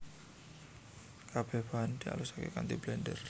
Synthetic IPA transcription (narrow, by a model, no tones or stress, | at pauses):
kab̥ɛ̤band̪̥ia̰lusakḛkant̪ublɛndər